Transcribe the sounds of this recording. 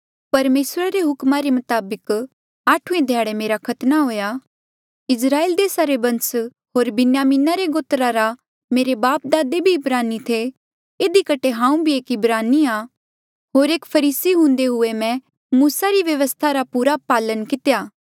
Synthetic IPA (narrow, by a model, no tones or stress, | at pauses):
pɐɾmeːsɾaɾeɦʊkmaɾemʊt̪aːbək | aːʈʰuẽd̪ʱjaːɽemeːɾakʰɐt̪naɦoːja | ɪsɾaːeːld̪eːsaɾebɐ̃ns | ɦoːɾbɪnjaːmiːnaɾeɡoːt̪ɾaɾa | meːɾebaːp̚d̪aːd̪ebʱiɪbɾaːnit̪ʰe | ɪd̪ikɐʈʰeɦãːũbʱieːkɪbɾaːnia | ɦoːɾeːkpʰɐɾiːsiɦʊ̃nd̪eɦʊemɛ̃ | muːsaɾiʋjɐʋəst̪ʰaɾapuːɾapaːlənkɪt̪jaː